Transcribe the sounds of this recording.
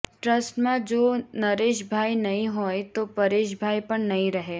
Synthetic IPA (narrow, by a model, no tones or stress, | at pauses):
ʈɾɐsʈmẽd͡ʒoːnɐɾeːʃ̬bʱaːinɐɦĩɦoːet̪opɐɾeːʃ̬bʱaːipɐɾnɐɦĩɾɐɦeː